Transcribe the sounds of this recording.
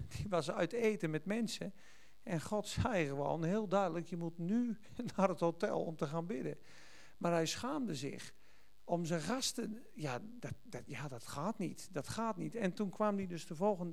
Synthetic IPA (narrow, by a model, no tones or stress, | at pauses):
d̥iʋɔsœ̰ɥteːtənmɛtmɛnsə | ʔɛnxɔtsɛjɣəʋo̰ːnhɪəlˠdœɥdələkjəmutny | narəthotɛ̰lˠɔ̰mtəxaːnbɪdə | maːrɦɛjsxaːmdəzɪ̰x | omzənɣastə | ja | ddjadɔtxaːtnitdɔtxaːtnitɛntunkʰʋamdidøstəvɔlˠɣənd